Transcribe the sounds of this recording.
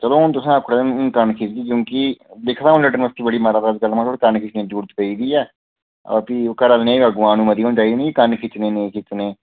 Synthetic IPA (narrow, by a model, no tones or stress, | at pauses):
t͡ʃəloːɦʊnt̪ʊsãːəkʰɽenːkənkʰɪt͡ʃd̪iːkjõːkɪd̪eːkʰt̪aːɦʊnlɛːɖənməst̪iːbəɽiːmaɾaːd̪aːd͡ʒɡəlːmaːt̪ʰoːɽkənkʰɪt͡ʃnẽːd͡ʒuːɽt̪pəiːd̪iːɛː | ɔ̰ːɾpiːokəɾəlnẽːəɡʋãːnũːməd̪iːɦoːnt͡ʃaːiːd̪iːnẽːkikənkʰɪt͡ʃneːnẽːkʰɪt͡ʃneː